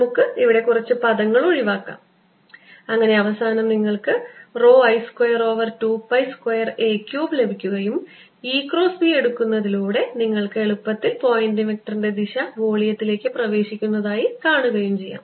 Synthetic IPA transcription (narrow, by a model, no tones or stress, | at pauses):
mukːɨiʋiɽe̞kurɐt͡ɕːɨpɐðɐŋːɐɭoɻiʋaːkːa̰ːm | ɐŋːɐne̞ɐʋɐsaːnɐmniŋːɐɭkɨro̞ːɐjskwɐjɐro̞ːʋɐrtuːpːɐjskwɐjɐre̞ːkʲjuːble̞bʱikʲːuɣɐjum | iːkro̞ːsbie̞ɽukːunːɐðiluːɽe̞niŋːɐɭkɨeɭupːɐt̪ːilpo̞ːjindimek̚ʈɐrinde̞d̪iɕɐʋo̞ːɭijɐt̪ːile̞ːkʲːɨprɐʋe̞ːɕikʲːunːɐðaːjikaːɳuɣɐjumt͡ɕe̞jːa̰ːm